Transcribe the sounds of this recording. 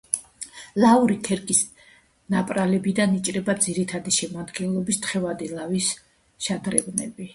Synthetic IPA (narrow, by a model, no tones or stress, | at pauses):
lauɾik̪ʰɛɾkʼis | napʼɾalɛbid̪anit͡ʃʼɾɛbad̪ziɾit̪ʰad̪iʃɛmad̪ɡɛnlˠɔbist̪χɛvad̪ilavis | ʃad̪ɾɛbnɛbi